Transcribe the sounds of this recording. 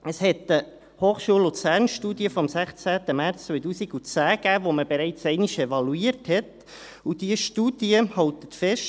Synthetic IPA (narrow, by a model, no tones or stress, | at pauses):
əshɛt̪ə | hoːχʃuəlːut͡sæːɾnʃtuːdiəfɔmsæχt͡sæːt̪əmæɾt͡st͡svœɪt̬uːsiɡut͡sæːɡ̥æːʋoməb̥eɾɛɪt͡sɛɪniʃɛvɑluiːəɾthɛt | ud̥iəʃtuːd̥iəhɑlt̪ə̥tfɛʃt